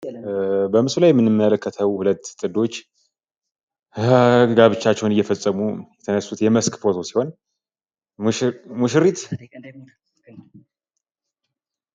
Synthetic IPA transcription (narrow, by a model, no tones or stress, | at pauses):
bəmɨsulajɛmːɨnːɨmːələkʰːət̪ʰəwhulət̪ːt̪ʼɨd̪o̞t͡ʃː | ɡaβɨt͡ʃːat͡ʃːɛwnɨjːɛfəsʼːəmujɛt̪ʰənəsːut̪jɛməskfot̪ʰo̞si̥ho̞n | muʃɾit̪